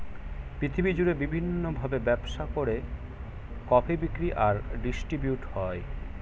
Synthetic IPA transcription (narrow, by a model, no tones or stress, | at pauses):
pɾit̪ʰibid͡ʑuɾebibʱinːobʱabebɛbʃakoɾe | kɔpʰebikɾiʔaɾɖisʈɾibjuʈhɔe